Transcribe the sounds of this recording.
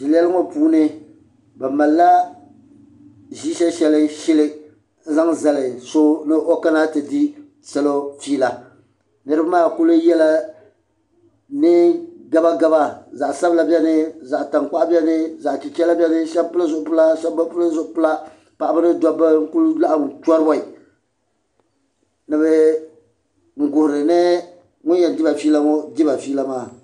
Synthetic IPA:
di˨lɛ˦lɨ˦ŋɔ˦puː˦nɨ˦ | bɛ˨ma˨lːa˦ | ʒiː˦ʃɛ˦ʃɛ˨lɪ˦ʃɪ˦lɪ˦ | n̩˦za˦ŋza˨lɪ˨so˦nɨ˦ʔo˦ka˦na˦tɨ˨di˦ | sɛ˦lo˦fiː˦la˨ | nɨ˦ɾɨ˦ba˦maː˦˨kʊ˦lʊ˦jɛ˦la˦ | nɨ˦ɡa˦ba˦ɡa˦ba˦za˨ʔsa˦bla˦bʲɛ˦nɪ˦za˨ʔta˨ŋk͡pa˦ʔbʲɛ˦nɪ˦za˨ʔt͡ʃi˨t͡ʃɛ˦la˦bʲɛ˦nɨ˦ʃɛ˦bpʊ˦la˦zʊ˨ʔʊ˨˦pʊ˦la˦ʃɛ˦bba˦pʊ˦lzʊ˦ʔʊ˨˦pʊ˦la˦ | pa˨ʔa˨bɨ˦nɨ˦dɔ˦ba˦ŋ̩˦ku˦lla˦ʔŋ˨tɔ˦ɾɨ˦bɔ˨i˨ | nɨ˨bɛ˦ | ŋ̩˨ɡʊ˨hʊ˨ɾɨ˨nɨ˦ | ŋʊ˦njɛ˨n˨dɪ˦ba˨fiː˦la˦ŋɔ˦dɪ˦ba˨fiː˦la˦maː˦˨

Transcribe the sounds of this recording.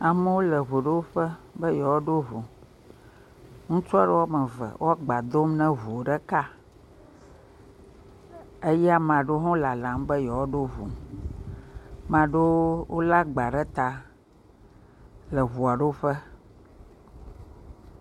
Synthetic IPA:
a˨mə˦wo˦lə˨βu˨ɖe˦wo˦ɸə˦bə˦jɔ˨wɔ˦ɖo˦vu˨ | ŋũ˦t͡ʃɖə˦wɔ˦mɛ̃˨və̰˨wo˦a˦ɡ͡ba˨d̪o˦mnɛ̃˦vu˨o˨ɖɛ˦ka˦ | e˦jɛ˦a˦mã˨ɖo˦ɦɔ̃˦la˨lã˨˦mbə˦jɔ˨wɔ˦ɖo˦vṵ˨ | mã˨ɖo˦wo˦la˦ɡ͡ba˨ɖɛ˦t̪a˨ | lə˨βu˨a˨ɖe˦wo˦ɸə˦

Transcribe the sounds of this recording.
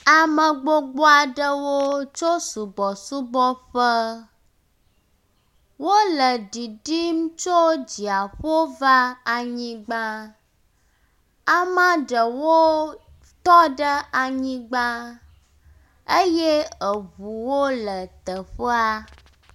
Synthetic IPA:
a˨mə˨ɡ͡bo˦ɡ͡bɔ˦a˨ɖə˦wo˦t͡ʃo˦su˨bɔ˨su˦bɔ˦ɸə˦ | wo˦lə˨ɖi˨ɖi˦m̩̃˦t͡ʃo˦d͡ʑi˨a˨ɸo˦va˦a˨ɲĩ˦ɡ͡bã˦ | a˦mã˦ɖə˨wo˦ | t̪ɔ˦ɖə˦a˨ɲĩ˦ɡ͡bã˦ | ə˦je˦ə˨βu˨wo˦lə˨t̪ə˨ɸə˦a˦

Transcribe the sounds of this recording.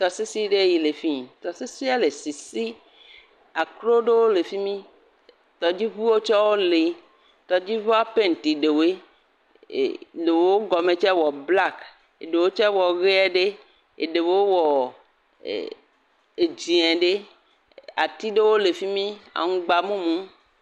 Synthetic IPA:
t̪ɔ˨se˦si˦ɖe˦˨ji˨le˨fi˦˨t̪ɔ˨se˦si˦a˦le˨si˨si˦ | a˨kɾo˦ɖe˦wo˦le˨fi˦mĩ˦ | t̪ɔ˨d͡ʑi˦βu˦wo˦t͡ʃɔ˦wo˦le˨ | t̪ɔ˨d͡ʑi˦vɔ˦a˦pe˦n˨t̪i˨ɖe˨wḛ˦˨ | le˨wo˦wo˦ɡɔ˨me˨t͡ʃɛ˦wɔ˨bla˦˨k | e˨ɖe˨wo˦t͡ʃɛ˦wɔ˨ɣe˦a˦ɖe˦ | ḛ˨ɖe˨wo˦o˦wɔ̰˨ | e˨d͡ʒi˨ɛ̃˨ɖe˦ | a̰˨t̪i˦ɖe˦wo˦le˨fi˦mĩ˦a̰˨ŋũ˦ɡ͡ba˨mũ˦mũ˦

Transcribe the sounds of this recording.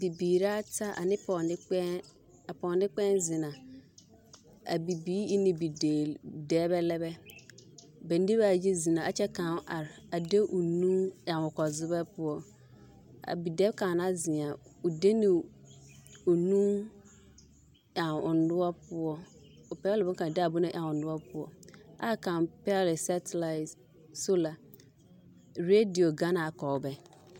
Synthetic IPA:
bi˨biː˨ɾa˦tʰa˦ʔa̰˨nɪ̃˦pʰɔ˨nɪ˦k͡pɛ˦ | a˨pɔ̃˨nɪ̃˦k͡pɛ̃˦nzɪ˨nã˨ | a̰˨bi˨biː˦i˦nɪ̃˨bi˨deː˨dɛː˦bɛ˦lɛ˦bɛ˦ | bɛ̃˨n˦di˦ba˨d͡ʒi˦zi˨nã˨ʔa˨t͡ɕɛ˦kã˨˦˨ʔa˨ɾa˨de˦ʔu˨nũ˦ã˨nʊ˨kɔ˨zʊ˦bɛ˦pʊ˦ɔ˦ | a̰˨bi˨dɛ˦kʰã˨na˦zɪ˨a˨u˨de˦nĩ˨ | u˨nũ˦m | ã˨ʊ˨n˦dʊ˦ɔ˦pʰʊ˦ɔ˦ | ɔ˨pɛ˦lɪ˨bʊ˦kã˨dɛ˦a˨bʊ˦nã˦ʔã˨ʊ̃˨n˨dʊ˦ɔ˦pʰʊ˦ɔ̰˨a˦kʰã˨pɛ˦lɪ˨sa˦tʰla˨ɪ˨t | so˦la˨ | ɾe˦di˨o˨ɡa˦na˨a˨kʰɔ˨wbɛ˦

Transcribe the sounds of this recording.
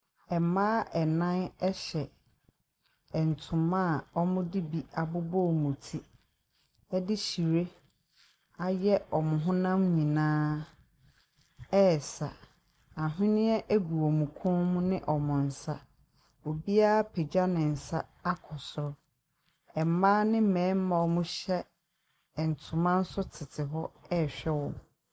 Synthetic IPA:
ɛ˨mãː˦ɛ˨nã˦nɛ˦ɕɛ˨ | ɛ˨n̩˨tʰʊ̃˨mã˦˨ɔ˦mʊ̃˦dɪ˦bi˨a˨bʊ˦bɔ˦˨mũ˨tʰi˦ | ɛ˦dɪ˦ɕi˨ɾe˦ | a˦jɛ˦ɔ˨mʊ̃˨ɦʊ̃˦nã˦mɲĩ˨nãː˦ | ɛ˦˨sa̰˨ | a˨ɦɪ̃˦nɪ̃˦ɛ˦ʔe˦ɡu˨ɔ˨mũ˨kʰʊ̃˦nmũ˦nɪ̃˦ʔɔ˨mʊ̃˨n̩˨sa˦ | o˨bi˦a˦a˦pʰe˨d͡ʑa˦nɪ̃˨n̩˨sa˦a˦kʰɔ˨sʊ˨ɾɔ˦ | ɛ˨m˨˦mãː˦nɪ̃˦m̩˦mɛ̃˨˦m̩˦mã˨wɔ˨mũ˦ɕɛ˦˨ | n̩˨tʰʊ̃˨mã˦n̩˦sʊ˦tʰɪ˨tʰɪ˨ɦɔ˦ɛ˦˨ɕᶣɛ˦wɔ̃˨m

